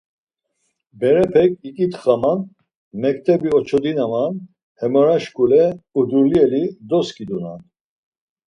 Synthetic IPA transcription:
bɛɾɛpʰɛkʰʼikʼit̪χaman | mɛk̚t̪ʰʼɛbiɔt͡ʃʰɔd̪inaman | hɛmɔɾaʃkʼulɛud̪uliɛlid̪ɔskʰʼid̪una̰n

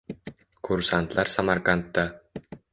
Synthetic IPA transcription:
kʰuɾsant̪lˠɑɾsamarkant̪ːɑ

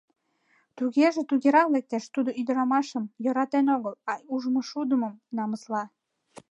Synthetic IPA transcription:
t̪uɣeʒĕt̪uɣeɾɑlek̚t̪eʃt̪ud̪oyd̪əɾɑmɑʃəmjoɾɑt̪enoɣəlɑuʒmoʃud̪əməmnɑməslɑ

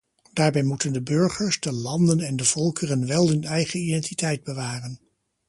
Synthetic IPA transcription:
daːɹbɛjmutəndəbʏɹχəɹzdəlɑndənɛndəv̥ɔlˠkərənʋɛlˠɪnɛjχəidɛntitɛjd̚bəʋaːrən

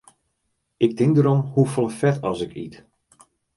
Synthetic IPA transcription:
ɪk̚tɪŋdəɾɔmhufɔlˠəfɛtɔsɪkʰḭt

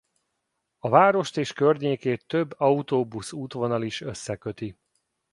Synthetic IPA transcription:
ɒvaːɾo̞ʃt̪eːʃkørɲeːkeːt̪ːøbːɒut̪oːbusuːt̪ʋo̞nɒliʃø̞sːɛkøt̪i

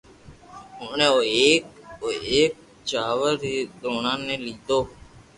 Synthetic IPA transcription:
ʊnẽːoːeːkoːeːk̚ | t͡ʃaːʋəɾiːd̪oːnãːnẽːliːd̪oː

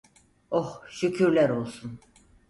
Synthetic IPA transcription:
ohʃycʰyɾlʲæɾo̞lˠsun

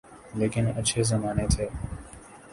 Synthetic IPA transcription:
leːkɪnət͡ʃʰeːzəmaːnet̪ʰeː

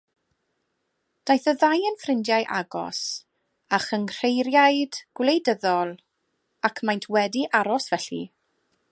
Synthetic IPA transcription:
d̥ajθəðajənfrɪndjajʔa̰ɡɔ̰s | aχənr̥ejɾjajd̥ɡ̥wlejdəðɔlˠ | akʰmajntʰwɛdiʔaɾɔsv̥ɛɬḭ

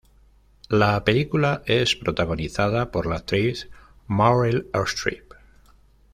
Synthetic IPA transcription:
lape̞likulaʔe̞spɾo̞t̪aɣ̞o̞niθað̞apo̞ɾlat̪ɾiθ | maɾelaɾst̪ɾḭp

